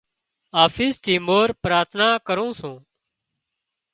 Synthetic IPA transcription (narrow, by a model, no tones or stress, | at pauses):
aːfiːst̪iːmoːɾpɾaːt̪ʰnaːkəɾũːsũː